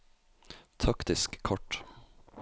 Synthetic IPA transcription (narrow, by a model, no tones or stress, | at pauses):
t̪ʰɑkt̪ɪskkʰɔʈ